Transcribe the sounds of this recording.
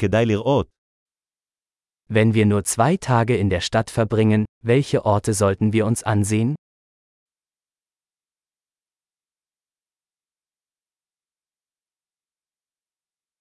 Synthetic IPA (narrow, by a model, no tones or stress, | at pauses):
kəd̪aɪliʁɔːt̚ | vɛnviːɐnuːɐt͡sv̥aɪtʰaːɡəɪndeːɐʃtatfɛɐbʁɪŋənvɛlçəʔɔɐtʰəzɔltn̩viːɐʊnsʔanzeːən